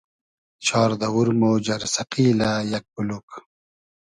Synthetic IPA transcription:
t͡ɕʰɑːɾd̪ɐwuɾmoːd͡ʑɐɾsɐqiːlajɐk̚buluk

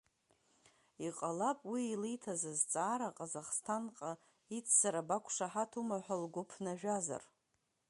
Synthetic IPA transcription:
iqʼalapʼwiːlijtʰazazt͡sʼaːɾaqʼazaχstʰanqʼa | it͡sʰsaɾabakʷʰʂaħatʰumaħʷᶣalɡʷʊpʰnaʒᶣaza̰r

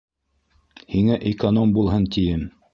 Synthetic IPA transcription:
hiŋæʔɪkonombulˠɦɤnt̪ijɘm

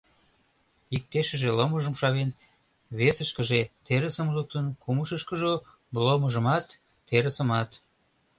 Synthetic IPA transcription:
ik̚t̪eʃəʒeloməʒəmʃɑβen | βesəʃkəʒet̪eɾəsəmluk̚t̪ənkuməʃəʃkəʒo | bloməʒəmɑt̪ː | eɾəsəmɑt̪

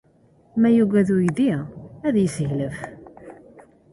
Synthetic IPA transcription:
mæjuɡæðujd̪iæðjəsəʝləf

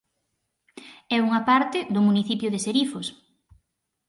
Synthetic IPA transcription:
ɛuŋɐpaɾt̪ɪðʊmuniθipjʊðɪseɾifoʊs

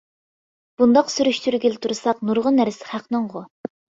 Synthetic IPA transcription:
b̥und̪ɑqsyɾyʃt̪ʰyɾɡʲelɪt̪ʰuɾsɑqnuɾʁʊnːæɾsɪ̥χæqnɨŋʁʊ

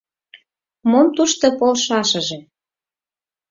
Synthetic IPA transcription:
momt̪uʃt̪ŏpolʃɑʃə̆ʒĕ

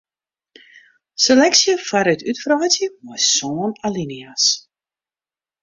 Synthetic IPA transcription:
selɛksjəfaɾətytfraːtjəmɔsoːnalinias

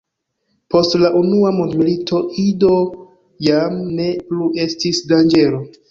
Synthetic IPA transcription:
po̞stlaʔunuamundmilitʰo̞ido̞ | jamne̞pluʔe̞stisdand͡ʒe̞lo̞

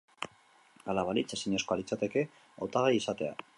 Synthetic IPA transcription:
alaβalit͡sesiɲeko̞alit͡sat̪e̞ke̞ | a̰wt̪aɣeisat̪e̞a̰

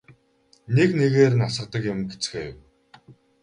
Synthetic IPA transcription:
nekneɣeːɾɘ̆nasə̆qt̪ə̆kjʊmɡet͡sxeːw

